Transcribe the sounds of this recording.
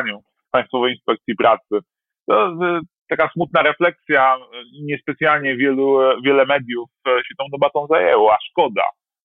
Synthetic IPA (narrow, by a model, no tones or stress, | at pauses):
ɲu | pãj̃st̪fɔvɛjinspɛk̚t̪sʲjipɾat̪sɘ | t̪ɔt̪akasmut̪̚naɾɛflɛksʲjaɲɛspɛt̪sʲjalɲɛvʲjɛluvʲjɛlɛmɛd̪ʲjufɕɛt̪ɔ̃w̃d̪ɔbat̪ɔ̃w̃zajɛwɔaʂkɔd̪a̰